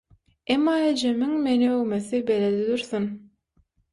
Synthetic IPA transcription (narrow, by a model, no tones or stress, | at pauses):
emːɑːed͡ʒemiŋmeniøwmeθibeled̪id̪uɾθun